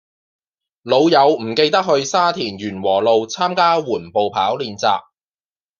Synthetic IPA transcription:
lo˨˧wjɐ˨˧wm̩˨˩ke˧jt̪ɐ˥k̚ɦɵ˧ɥsaː˥t̪ʰiː˨˩njyː˨˩nwɔː˨˩lo˨˧wt͡sʰaː˥mkaː˥wuː˨˩npo˨wpʰaː˨˥wliː˨˧nt͡sa̰ː˧k̚

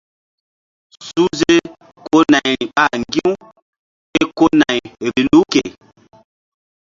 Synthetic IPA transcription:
su˦ze˦ | ko˦na˨ji˨a˦˨ŋɡi˦w | e˦ko˦na˨jɾi˨lu˦kḛ˨

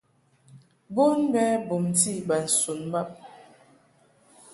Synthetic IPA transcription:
bo˦nbɛ˦bo˨mti˦˨ba˨n̩˨su˨nma˦˨p̚

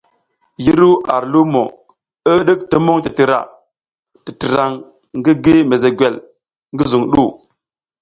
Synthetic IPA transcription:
ji˦ɾu˦ʔa˨ɾlu˦mo˨ | ə˦ɗə˦k̚tə˦mo˦ŋti˨ti˨ɾa̰˨ | ti˨ti˨ɾa˨ŋ | ŋɡi˦ɡi˦me˨ze˨ɡʷe˨l | ŋɡi˦zu˨ŋɗu˦˨

